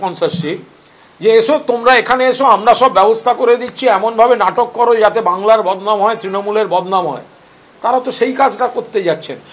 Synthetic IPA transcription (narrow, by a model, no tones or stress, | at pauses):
ɔnsaʃi | d͡ʑeeʃot̪omɾaekʰaneeʃoamɾaʃɔbːɛbost̪ʰakoɾed̪itːɕʰiɛmonbʱabenaʈokːɔɾod͡ʑat̪ebaŋlaɾbɔd̪namɦɔet̪ɾinomuleɾbɔd̪namɦɔ̰e | t̪aɾat̪oʃejkad͡ʑʈakoɾt̪ed͡ʑatːɕʰen